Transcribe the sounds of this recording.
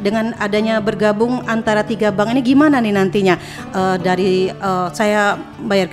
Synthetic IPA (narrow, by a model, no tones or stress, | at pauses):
dəŋanadaɲabərɡabʊŋant̪aɾat̪iɡabaŋiniɡimananɪhnant̪iɲa | ʔədaɾiəːsaja | bajar